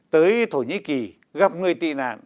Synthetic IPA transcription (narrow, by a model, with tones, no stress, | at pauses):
t̪əː˨˦jt̪ʰo˧˩ɲḭ˧˥ki˨˩ | ɣaː˦˥p̚ŋɨ˨˩əjt̪ḭ˧˨na̰ː˧˨n